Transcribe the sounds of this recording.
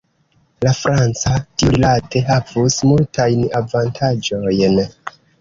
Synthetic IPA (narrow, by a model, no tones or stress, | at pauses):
lafɾʔant͡satiuɾilate̞ɦavusmultajnavantʰad͡ʒo̞jn